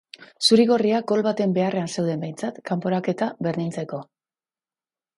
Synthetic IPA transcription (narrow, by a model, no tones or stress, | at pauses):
suɾiɣo̞riaɡo̞lβat̪e̞mbe̞are̞anse̞wð̞e̞mbe̞jnt͡sat̪kampo̞ɾake̞t̪aβe̞ɾðint͡se̞ko̞